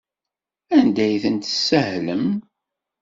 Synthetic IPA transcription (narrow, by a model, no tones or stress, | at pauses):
ænd̪æjθənt̪əsːəhləm